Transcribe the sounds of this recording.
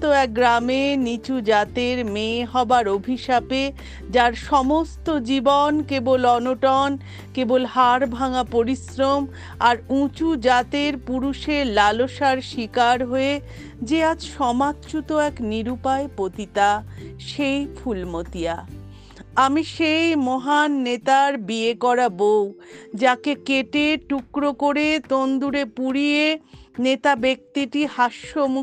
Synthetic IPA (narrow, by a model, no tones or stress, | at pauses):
t̪oɛk̚ɡɾamenit͡ɕud͡ʑat̪eɾmeɦɔbaɾobʱiʃape | d͡ʑaɾʃɔmost̪od͡ʑibonkebolɔnoʈɔn | kebolhaɾbʱaŋapoɾisɾom | aɾũt͡ɕud͡ʑat̪eɾpuɾuʃeɾlaloʃaɾʃikaɾɦoe | d͡ʑead͡ʑʃɔmatːt͡ɕut̪oɛkniɾupaepot̪it̪aʃejfʰulmot̪ija | amiʃejmɔɦanːet̪aɾbiekɔɾabowd͡ʑakekeʈeʈukɾokoɾet̪ond̪uɾepuɾijenet̪abek̚t̪iʈihaʃːomu